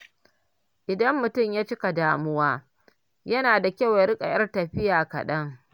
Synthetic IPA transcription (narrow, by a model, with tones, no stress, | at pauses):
ʔɪ˨dɐ˦mːʊ˨tʊ˦˨mjaː˦t͡ʃɪ˦ka˨daː˦mʊ˦waː˦ | jɐ˦naː˨da˨kʲa˦˨wja˦ɾɪ˦kʼa̰˨jɐ˦rtɐ˨ɸɪ˦jaː˨kɐ̰˨ɗɐ˦ŋ